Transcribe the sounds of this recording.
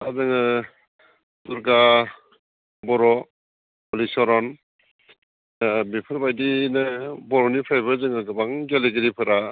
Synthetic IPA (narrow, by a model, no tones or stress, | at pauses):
azɯŋɯ | duɾɡa | bɔɾɔ | ɔlisɔɾɔn | mipʰɯɾbajdinabɔɾɔnipʰajbɯzɯŋɯɡɯbaŋɡeliɡɯɾipʰɯɾa